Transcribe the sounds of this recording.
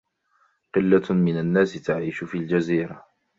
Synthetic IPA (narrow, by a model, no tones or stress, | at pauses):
qɨlːamɪnanːaːsɪt̪aʕiːʃʊfiːld͡ʒaziːɾa